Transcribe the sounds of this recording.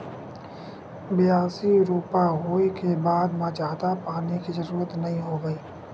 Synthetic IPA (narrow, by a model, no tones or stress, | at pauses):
bɪjaːsiɾuːpaɦoːikʰebaːd̪mãːt͡ʃaːd̪apaːnikizəɾuːɾət̪nəɦĩɦoːɡəiː